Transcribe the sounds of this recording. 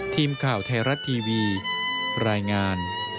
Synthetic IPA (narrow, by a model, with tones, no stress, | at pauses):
t̪ʰiː˧mkʰaː˨˩wt̪ʰa˧jɾa˦˥t̪ʰːiː˧wiː˧ | ɾaː˧jŋaː˧n